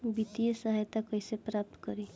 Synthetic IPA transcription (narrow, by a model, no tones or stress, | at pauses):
bit̪iesaɦajt̪akʌjsepɾap̚t̪kʌɾi